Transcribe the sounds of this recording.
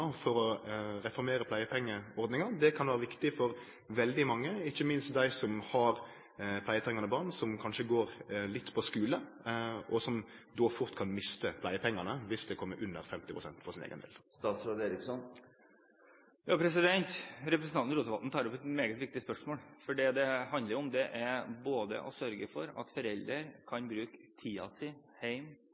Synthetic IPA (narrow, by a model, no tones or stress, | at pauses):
fɔɾɔɾɛfɔɾmeːɾəpʰlæɪəpʰɛŋːəɔɾd̪nɪŋɑd̪ɛkʰɑnʋæːɾəʋɪkt̪ɪfɔɾ | ʋɛld̪ɪmɑŋːəɪçːəmɪnst̪̚d̪æɪsɔmhɑɾ | pʰlæɪət̪ʰɾɛŋɑnəbɑːʁnsɔmkʰɑnʂəɡoːɾlɪt̪ːpʰɔskʉːlə | ʔɔsɔm | d̪oːfʊɾt̪kʰɑnmɪst̪əpʰlæɪəpʰɛŋːɑnəʋɪsd̪ɛkʰɔmːəɾʔʉnːəɾfɛmt̪ɪpʰʁʊsɛnt̪fɔʁsɪnḛːɡə̰nbɪ̰lst̪ɑːt̪sɾod̪eːɾɪksɔn | jɑːpʰɾɛsɪd̪ɛnt̪ɾɛpɾəsnɑnɾuːt̪əʋɑt̪n̩t̪ʰɑːɾɔpɛt̪meːɡət̪ʋɪk̚t̪ɪspœʂmoːlfɔɖiːd̪ɛhɑnd̪ləɾɔmd̪ɛʔæboːd̪ə̰ʔɔsœɾɡəfɔɾɑ̰t̪fɔɾɛld̪əɾkʰɑnbɾʉːkt̪ʰiːɑ̰sɪ | hæɪm